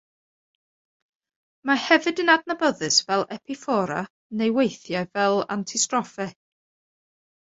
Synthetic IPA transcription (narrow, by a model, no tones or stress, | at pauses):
mahɛvɨdənadnabəðɨsvɛlˠɛpʰɪfɔɾa̰ | nejwejθjajvɛlˠa̰ntʰistrɔfɛ